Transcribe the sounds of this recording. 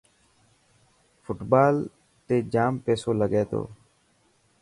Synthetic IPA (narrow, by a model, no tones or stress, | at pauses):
fʊʈbaːl | t̪eːd͡ʒaːmpeːsoːləɡeːt̪o̰ː